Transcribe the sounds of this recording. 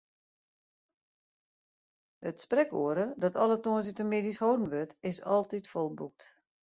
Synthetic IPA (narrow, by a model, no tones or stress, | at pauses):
ətsprɛkoəɾədɔtɔlˠətoənsytəmeːdishoːdn̩ʋøtɪsɔ̰lˠtitfɔlˠbuk̚t